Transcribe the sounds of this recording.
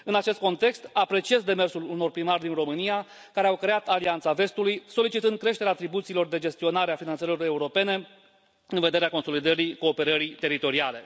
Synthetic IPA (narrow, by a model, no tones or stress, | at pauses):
ɨnat͡ʃe̞st̪̚ko̞nt̪e̞kst̪apɾe̞t͡ʃie̞zd̪e̞me̞rsuluno̞rpɾimarʲd̪inro̞mɨnija | kaɾe̞awkɾe̞at̪aliant̪save̞st̪ulujso̞lit͡ʃit̪ɨnd̪̚kɾe̞ʃt̪e̞ɾeat̪ɾibut̪silo̞rd̪e̞d͡ʒe̞st̪io̞naɾeafinanseloɾe̞uɾo̞pe̞ne̞ | ɨnve̞d̪e̞ɾeakonso̞lid̪əɾiko̞ːpe̞ɾəɾit̪e̞ɾit̪o̞ɾiale̞